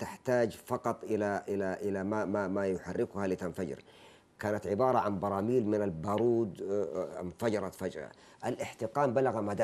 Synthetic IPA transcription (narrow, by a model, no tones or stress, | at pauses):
t̪aħt̪aːd͡ʒfɑqɑt̪ˤʔɪlaʔɪlaʔɪlamamamajʊħarːɪkʊhalɪt̪anfad͡ʒɪ̰ɾ | kaːnat̪ʕɪbɑːɾˤɑʕanbɑɾˤɑːmiːlmɪnalbɑːɾˤuːd̪ | mfad͡ʒɑɾˤɑt̪fad͡ʒɾˤɑ̰ | ʔalʔɪħt̪ɪqaːmbalaɣamad̪a